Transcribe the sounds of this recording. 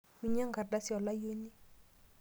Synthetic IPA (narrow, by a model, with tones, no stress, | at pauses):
wi˦˨ɲa˦ŋ˦ɡa˨da˦sjɔ˨la˦jo˦ni˦